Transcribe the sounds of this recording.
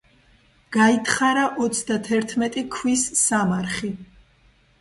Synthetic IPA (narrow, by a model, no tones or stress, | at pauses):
ɡ̥ait̪ʰχaɾaʔɔt̪sʰd̪at̪ʰɛɾt̪ʰmɛt̪ʼikʰwisːamaɾχi